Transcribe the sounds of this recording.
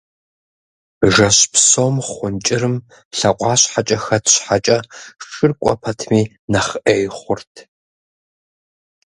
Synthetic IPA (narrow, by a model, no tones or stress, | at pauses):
ʒɐɕpsoːmχʷʊnt͡ʃʼɪɾɨm | ɬɐqʷʼɑːɕħat͡ʃʼɐxɐtʰɕħat͡ʃʼɐʂɨrkʷʼɔ̰pʰɐtʰmiː | nɐχʔeːjχʷʊrtʰ